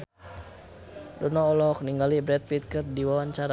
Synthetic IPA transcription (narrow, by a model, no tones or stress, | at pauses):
dɔnɔɔlɔk̚niŋɡalibɾɛt̪̚pit̪̚kərdiwawaɲt͡ʃaɾa